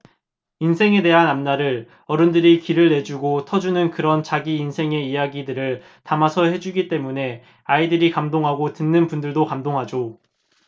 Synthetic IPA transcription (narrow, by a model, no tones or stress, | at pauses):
insʰe̞ŋe̞de̞ɦanamnaɾɯɭ | ʌɾɯndɯɾikiɾɯɭːe̞d͡ʑuɡotʰʌd͡ʑunɯnkɯɾʌnt͡ɕaɡiːnsʰe̞ŋe̞ijaɡidɯɾɯɭ | tamasʰʌhe̞d͡ʑuɡit͈e̞mune̞ | aidɯɾikamdoŋɦaɡotɯnːɯnpundɯɭdokamdoŋɦad͡ʑo